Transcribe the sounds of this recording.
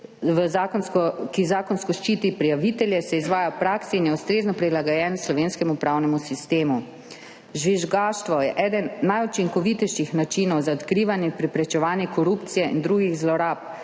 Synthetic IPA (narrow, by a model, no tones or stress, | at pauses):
ʋəzakɔnskɔkizaːkɔnskɔʃt͡ʃiːt̪ipɾijaʋit̪ɛljɛsɛizʋaːjapɾaksɛinjɛust̪ɾeːznɔpɾilaɡɔjɛːnɛslɔʋenskɛmupɾawnɛmusist̪eːmu | ʒʋiʒɡaːʃt̪ʋɔjɛʔɛːd̪ənːajut͡ʃiŋkɔʋit̪ɛjʃixnat͡ʃinɔwzaɔt̪kɾiːʋanjɛpɾɛpɾɛt͡ʃɛʋaːnjɛkɔɾupt̪sijɛʔind̪ɾuːɡiɣzlɔɾaːp̚